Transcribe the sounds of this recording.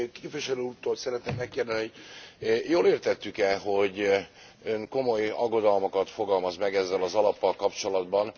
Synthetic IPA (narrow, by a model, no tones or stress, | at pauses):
keːpviʃɛløut̪ːoːlsɛɾɛt̪neːmmɛkːeːrd̪niho̞ɟ | joːleːrt̪ɛt̪ːykɛlɦo̞ɟ | øŋkomo̞jɒ̰ɡːo̞d̪ɒlmo̞kɒt̪fo̞ɡɒlmɒzmɛɡɛzːɛlɒzɒlɒpːɒlkɒpt͡ʃo̞lɒd̪bɒn